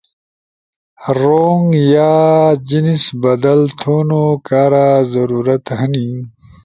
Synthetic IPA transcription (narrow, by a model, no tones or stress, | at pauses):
ɾoːŋɡjaːd͡ʑinisbɐd̪ɐlt̪ʰoːnokaːɾaːzɐɾuːɾɐt̪ɦɐni